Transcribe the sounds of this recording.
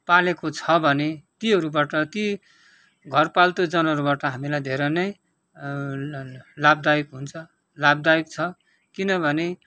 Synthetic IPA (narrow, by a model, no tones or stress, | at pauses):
palekot͡sʰʌbʱʌnet̪iɦʌɾubaʈʌt̪i | ɡʱʌrpalt̪od͡zʌnɦʌɾubaʈʌɦamilajd̪ʱeɾʌnʌj | labd̪ajikɦunt͡sʰʌ | lab̚d̪ajikt͡sʰʌ | kinʌbʱʌne